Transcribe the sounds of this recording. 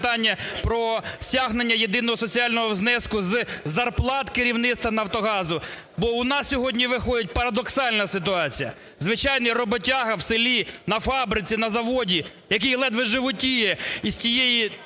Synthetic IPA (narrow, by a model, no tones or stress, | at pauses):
t̪ɑnʲːɐpɾɔsʲaɦnenʲːɐjed̪ɪn̪ɔɦɔsɔt͡sʲiɑlʲnɔɦɔwznɛskʊzzɐrplˠɑt̪keɾʲiwnɪt̪t̪ʋɐnɐwt̪ɔɦɑzʊ | bɔʊnɑsʲsʲɔɦɔdʲnʲiʋɪxɔjʲɪt̚ʲpɐɾɐd̪ɔksɑlʲnɐsɪt̪ʊɑt͡sʲijɐ̰ | zʋɪt͡ʃɑjnɐjrɔbɔtʲaɦɐwselʲinɐfɑbɾɪt͡sʲinɐzɐʋɔdʲi | jɐk̬ijlˠɛd̪ʋɪʒɪʋʊtʲijɛisʲtʲijeji